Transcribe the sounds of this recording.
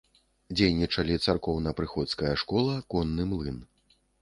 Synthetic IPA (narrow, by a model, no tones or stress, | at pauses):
d͡zʲejnʲit͡ʂɐlʲit̪sarkɔwnɐpɾɨxɔt̪skɐjɐʂkɔlˠɐkɔnːɨmlˠɨn